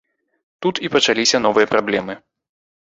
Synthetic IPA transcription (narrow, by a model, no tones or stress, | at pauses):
t̪ut̪ipɐt͡ʂalʲisʲɐn̪ɔvɨjɐpɾablʲɛmɨ